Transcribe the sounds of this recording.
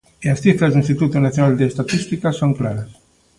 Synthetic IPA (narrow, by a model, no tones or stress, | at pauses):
iasθifɾazðuĩnst̪it̪ut̪unaθjonald̪eest̪at̪ist̪ikasoŋklaɾas